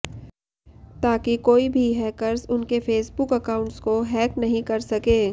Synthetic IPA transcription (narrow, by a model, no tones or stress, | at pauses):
t̪aːkikoːibʱiɦɛːkəɾzʊnkefeːsbʊkɐkaːʊ̃ɳʈskoɦɛːknɐɦĩkɐɾsɐkẽː